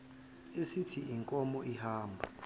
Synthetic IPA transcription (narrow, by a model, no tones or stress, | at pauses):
esitʰiiŋkʼɔmɔʔihaːmbʱa̰